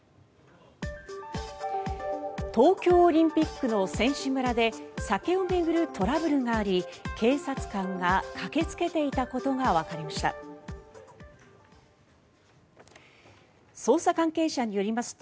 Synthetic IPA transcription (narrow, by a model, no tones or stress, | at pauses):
t̪o̞ːkʲo̞ːɾʲĩmpʲikːɯ̟no̞sẽ̞ɰ̃ɕɨmɯ̟ɾad̪e̞sake̞ome̞ɡɯ̟ɾɯ̟t̪ʰo̞ɾabɯ̟ɾɯ̟ŋaːɾʲikʰe̞ːsat͡sɨ̥kãŋɡakʰake̞t͡sɨ̥ke̞t̪e̞it̪ako̞t̪o̞ɡaβakaɾʲimaɕi̥t̪a̰ | so̞ːsakãŋke̞ːɕaɲ̟ijo̞ɾʲimasɨ̥t̪o